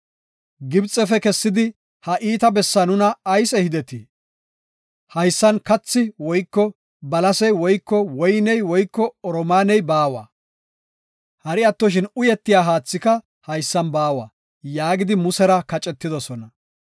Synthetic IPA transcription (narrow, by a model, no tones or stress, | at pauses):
ɡɪbt͡sʼːɛfɛkɛsːɪd̪ɪ | hɐʔiːt̪ɐbɛsːɐnʊnɐːjsɛhɪd̪ɛt̪ɪ | hɐjsːɐnkɐt͡sːɪwɔjkːɔ | bɐlɐsɛjwɔjkːɔwɔjnɛjwɔjkːɔɔɾɔmaːnɛjbaːwɐ̰ | hɐɾɪɐt̪ːɔʃ̬ɪnʊjɛt̪ːɪjaːɦaːt͡sːɪkɐ | hɐjsːɐnbaːwɐ̰ː | jaːɡɪd̪ɪmʊsɛɾɐkɐt͡ʃʼɛt̪ːɪd̪ɔsɔnɐ